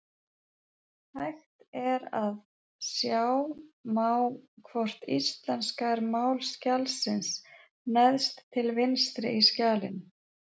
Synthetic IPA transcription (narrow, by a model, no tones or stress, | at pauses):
hajxt̪ɛɾað | sjaːwmaːwkʰvɔr̥t̪ist̪lɛnskaɛɾmaːwlscalsɪns | nɛðst̪ʰːɪlvɪnst̪ɾɪ̰ʔiscaːlɪ̰n